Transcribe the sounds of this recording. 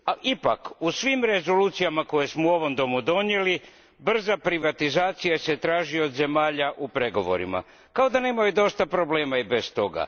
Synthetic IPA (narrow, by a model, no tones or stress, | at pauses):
aʔipakusʋimɾe̞zo̞luːt̪sijamako̞je̞smouo̞ʋo̞md̪o̞mud̪o̞nje̞li | br̩zapɾiʋat̪izaːt̪sijase̞t̪ɾaːʒio̞d̪ze̞maːʎaʔupɾe̞ɡo̞ʋo̞̰ɾḭma̰ | kao̞d̪ane̞ːmajud̪o̞st̪apɾo̞ble̞ːmaibe̞st̪o̞ɡa̰